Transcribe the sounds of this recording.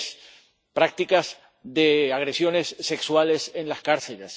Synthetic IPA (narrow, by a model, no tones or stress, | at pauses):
s | pɾak̚t̪ikaz | ðeaɣɾe̞sjo̞ne̞sːe̞kswale̞sẽ̞nlaskaɾθeles